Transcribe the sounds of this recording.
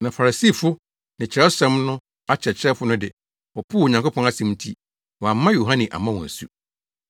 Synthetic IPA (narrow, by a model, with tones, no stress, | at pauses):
nã˨fa˨ɾa˨si˦˨fʊ˦ | nɪ̃˨t͡ɕʰɪ˨ɾɛ˦sɛ̃˦mnʊ̃˦ | a˦t͡ɕʰɛ˨t͡ɕʰɪ˦ɾɛ˦fʊ˦nʊ̃˦dɪ˨ | ɔ˨pʰu˦˨ɲã˨ŋko˦pʰɔ̃˦na˦sɪ̃˨mtʰi˦ | wɔ˨a˨˦mːã˦jo˨ɦã˦nɪ̃˨ʔa̰˨mã˦wɔ̰̃˨sṵ˦